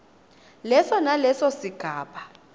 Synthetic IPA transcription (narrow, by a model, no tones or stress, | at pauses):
lɛsɔnalɛsɔsiɡ̥ʱaːɓa